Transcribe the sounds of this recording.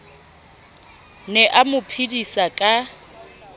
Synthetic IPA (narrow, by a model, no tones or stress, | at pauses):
nɛʔamʊpʰidisakʼa